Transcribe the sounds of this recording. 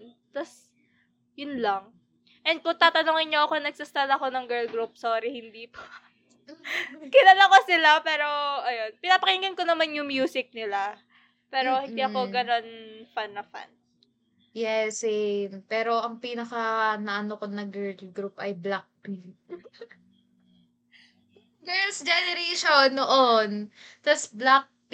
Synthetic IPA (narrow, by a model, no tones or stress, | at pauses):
t̪ɐs | jʊnlɐŋ | ʔɛnd̪̚kʊŋt̪aːt̪ɐnoŋɪnɲoʔɐkonɐɡ̥̚sast̪alɐko̞nɐŋɡɛɹlɡɾup̚soːɾɪhɪnd̪iːpo̥ | kɪnɐlɐŋkosɪlapɛːɾo̞ʔɐjo̞npɪnaːpɐkɪniŋɡɐnkonɐmanjʊŋmjuːsɪk̚nɪla | pɛːɾo̞hɪ̃nniːɐko̞ɡɐno̞nfanːɐfa̰n | jɛsɛpɛːɾo̞ʔɐŋpiːnɐkɐnɐʔɐnokonɐɡɛlɡɾupʔɐjblak̚pi | ɡɛlsd͡ʒɛnɛɾeʃonːoʔont̪ɐsblak̚p